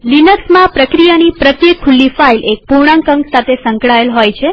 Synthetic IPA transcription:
linəksmãpɾəkɾijanipɾət̪jekʰːulːifailʔek̚puɳ̃ãŋkə̃ŋksat̪ʰesə̃ŋkɭaelɦojt͡ʃʰe

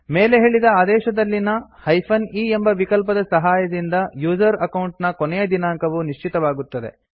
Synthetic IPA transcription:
meːleɦe̞ːɭid̪ɐaːd̪ɛːʃɐd̪ɐlːinɐhɐjpʰɐniːembɐʋikɐlp̬ɐd̪ɐsɐɦaːjɐd̪ind̪ɐjuːzɐɾɐkɐwɳʈnɐkonɛjed̪inaːŋkɐʋuniʂt͡ʃit̪ɐʋaːɡut̪ːɐd̪e̞̰

